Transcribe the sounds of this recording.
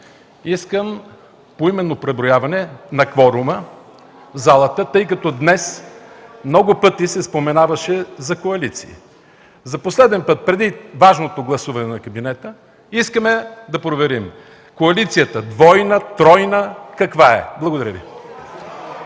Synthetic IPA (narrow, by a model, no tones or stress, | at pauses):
iskəm | poimɛnːopɾɛbɾojavɐnɛnɐkvɔɾumə | zalˠət̪ət̪ɤjk̬ɐt̪ɔd̪nɛs | mnɔɡʊpɤt̪isɛspomɛnavɐʃɛzɐkoɐlit̪sḭḭ | zɐposlɛd̪ɛnpɤt̪̚pɾɛd̪ivaʒnot̪oɡlˠɐsuvɐnɛnɐkɐbinɛt̪ə | iskəmɛd̪ɐpɾovɛɾim | koɐlit̪sijət̪əd̪vɔjnət̪ɾɔjnəkɐkvaɛ̰blˠɐɡod̪ɐɾəvḭ